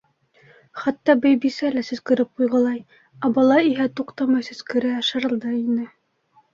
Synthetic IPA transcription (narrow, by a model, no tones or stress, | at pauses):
χæt̪ːɑbɘjbisælæsɵ̆zkɘ̆ɾɘp̚qujʁɤ̆lˠɑj | ɑbɑlˠɑiɦæt̪uqt̪ɑmɑjsɵ̆zkɘ̆ɾɘɑʃɤ̆ɾɤ̆lˠd̪ɤinɘ